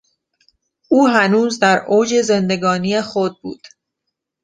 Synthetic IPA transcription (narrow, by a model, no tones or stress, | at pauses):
ʔuːɦænuːzd̪æɾʔoːd͡ʒe̞zend̪e̞ɡɒːnijexod̪̚bṵːd̪̥